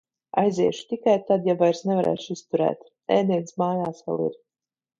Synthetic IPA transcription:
a̰jzʲiɛʃu̥t̪ikajt̪ad̪javajɾsnevaɾɛ̰ːʃist̪uɾɛ̰ːt̪ | ɛːnʲiɛnsmaːjaːsvɛ̰lˠḭɾ

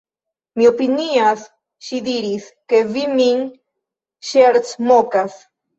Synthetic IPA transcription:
miopinias | ʃid̪iɾis | keβimiŋ | ʃeɾt͡smokas

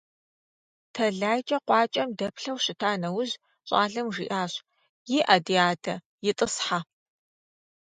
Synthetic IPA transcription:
tʰɐɮaːjt͡ʃʼɐqʷɑːt͡ʃʼɐmdɐpʰɬɐwɕɪtʰaːnɐwʊz | ɕʼaːɮɐmʐḭːʔaːɕ | jiːʔadiaːdʰɐ | jɪtʼɨsħa

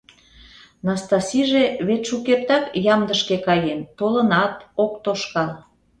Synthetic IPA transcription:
nɑst̪ɑsʲiʒeβet̪ʲʃukert̪ɑkjɑmd̪əʃkekɑjent̪olənɑt̪okt̪oʃkɑl

